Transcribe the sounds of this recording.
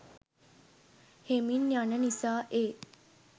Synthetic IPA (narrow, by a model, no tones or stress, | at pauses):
heminjanənisaːʔeː